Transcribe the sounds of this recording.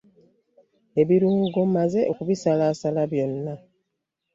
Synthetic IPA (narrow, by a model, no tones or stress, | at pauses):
e̞βiɾuːŋɡomaze̞okuβisalaːsalaβjo̞nːa